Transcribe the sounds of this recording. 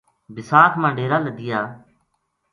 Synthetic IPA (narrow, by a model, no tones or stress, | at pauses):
bɪsaːkʰmãːɖeːɾaːləd̪ɪjaː